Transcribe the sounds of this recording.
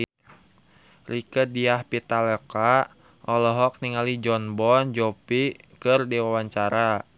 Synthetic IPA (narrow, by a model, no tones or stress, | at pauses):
rikədiahpit̪alɛka | ʔɔlɔɦɔk̚niŋalid͡ʒɔnbɔnd͡ʒɔpikɨrdiwawaɲt͡ʃaɾa